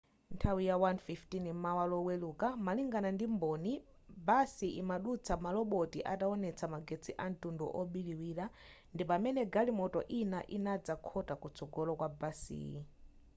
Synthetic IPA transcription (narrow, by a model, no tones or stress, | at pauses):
ntʰawijawanfiftinimawalɔwelukamaliŋɡanandimbɔni | basiʔimaɗut͡sʰamalɔɓɔtiʔataɔnɛt͡sʰamaɡet͡sʰiʔan̩tundɔ̰ʔɔɓiliwiːɾa | ndip̬amɛnɛɡalimɔtɔ̰ʔinaʔinad͡zakʰɔtakut͡sʰɔɡɔlɔkwabasḭːi